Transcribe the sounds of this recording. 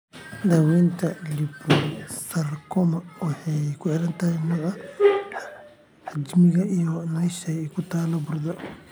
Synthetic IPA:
d̪aːwɛːnt̪ʰɐlibusɐrkʰɔmɐwɑħɑjkʰʊʕɪɾɐnt̪ʰɐɦɛnɔɣɐ | ħad͡ʒmɪɣɐijɔnɐʃɐɛkʰʊt̪ʰaːlɐbʊrd̪ɐ

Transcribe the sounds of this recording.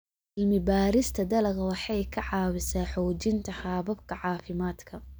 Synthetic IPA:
ʔɪlmɪbaːɾɪst̪ʰɐd̪ɐlɐɣɐwɑħɑjkʰɐʕɑːwɪsaːħɔːt͡ʃɪnt̪ʰɐħaːβɐbkʰɐʕɑːfɪmaːd̪kʰɐ

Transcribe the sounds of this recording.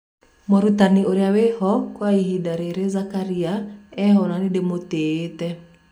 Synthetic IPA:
mɔɾutaniʔoɾeawehɔkwaiɦidaɾeɾezakaɾiaɛɦɔnanidemoteːtɛ

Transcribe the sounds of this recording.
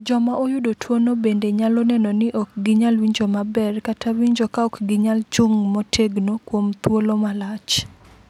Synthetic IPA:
d͡ʒɔmaʔojʊdotwonobendeɲalɔnɛnɔnɪʔɔk̚ɡɪɲalwiɲd͡ʒomabɛrkatʰawiɲd͡ʒokaɔkɡɪɲalt͡ʃʊŋmɔtʰeɡnokwomt̪wolomalat͡ʃ

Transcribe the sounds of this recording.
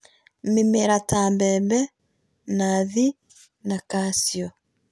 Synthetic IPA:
memɛɾataːmbɛmbɛ | naði | nakasiɔ

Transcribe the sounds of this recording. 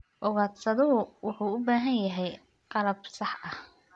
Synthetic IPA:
ʔɔɣaːt̪sɐðʊɦʊwʊħuːʊbaːɦɐnjɐɦɛj | qɑlɐb̚sɑħʔɐh

